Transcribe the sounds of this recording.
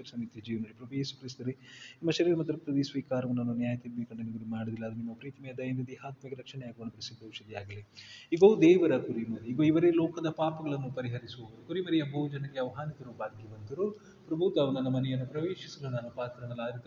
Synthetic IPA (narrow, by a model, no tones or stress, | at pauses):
ɐɾsɐmit̪jɐd͡ʒiːʋɐnɐlːipɾɐbujeːsu̥kɾis̬t̪ɐɾenimːɐʃɐɾiːɾɐmɐd̪ɐɾɐpɐt̪ɐd̪isʋiːkaːɾɐʋɐnːɐnːunjaːjɐt̪imbeːkɐɳɖɐniɡ̪ɐɡemaːɽud̪ilːɐːd̪ɐnimːɐpɾiːt̪ɐmɛjɐd̪ɐjɐnd̪ɐd̪iɦaːt̪mɐkɐɾɐkʂɐɳɛjaːɡuʋɐnɐpɾɐsid̪ːɐʋʃɐd̪ijaːɡɐliiɡɐːd̪ɛːʋɐɾɐkuɾimɐɾiːɡoiʋɐɾelɔːkɐd̪ɐpaːpɐɡɐɭɐnːupɐɾiɦɐɾisuʋɐʋɐɾukuɾimɐɾijɐbʱɐud͡ʒɐnɐɡeɐʋɐɦaːnit̪ɐɾubʱaːɡiʋɐnt̪ɐɾu | pɾɐbʱut̪ɐːʋɐnɐnːɐmɐnɛjɐnːupɾɐʋeːʃisɐlunaːnupaːt̪ɾɐnɐlaːɾit̪ɐ